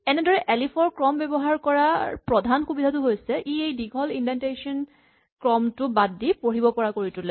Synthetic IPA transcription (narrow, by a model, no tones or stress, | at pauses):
ɛnɛdɔɹɛʔɛlipʰɔɹkɹɔmbɛbɔɦaɹkɔɹapɹɔdʱanxubidʱatʊɦojsɛʔiejdiɡʱɔlindɛntesɔn | kɹɔmtʊbadipoɹibɔpɔɹakoɹitʊle